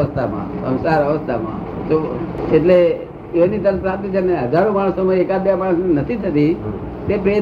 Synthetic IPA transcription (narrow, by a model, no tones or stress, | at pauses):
əst̪ʰamã̰sə̰̃wsaɾəʋəst̪ʰamã̰ | t̪oeʈle | enit̪əɾət̪ɾat̪it͡ʃʰeneɦəd͡ʒaɾõmaɽ̃soməjekabjamaɽ̃əsnenət̪ʰit̪ʰət̪i | t̪epe